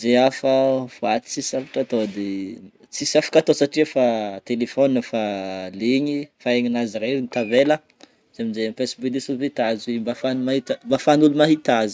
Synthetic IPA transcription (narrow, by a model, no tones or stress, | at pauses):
zeafəvuat̪i̥t͡sisafḁʈ͡ʂat̪od̪e | t͡sisafḁkat̪osaʈ͡ʂiafat̪elefoninəfaliɲifaeɲinazireɾint̪avelə | z̥eminzeampesbuilisuvit̪azembafanumahit̪əmbafanulumaɦit̪azi̥